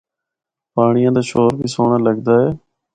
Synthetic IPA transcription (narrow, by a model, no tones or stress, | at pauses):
paːɳɪjãːd̪aːʃoːɾbʱiːsoːɳaːləɡd̪aːɦeː